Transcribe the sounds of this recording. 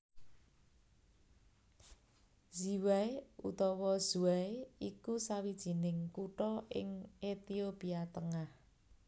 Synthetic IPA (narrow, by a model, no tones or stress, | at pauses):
ziwajṵt̪ɔwɔz̥uaikusawid̥ʒ̥i̤nɪŋkuʈɔʔɪ̰ŋet̪iopiat̪əŋah